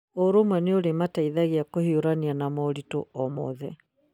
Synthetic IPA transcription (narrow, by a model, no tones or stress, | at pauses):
oɾomwɛneoɾemataiðaɣiakohioɾanianamɔɾito̰ɔmɔ̰ðɛ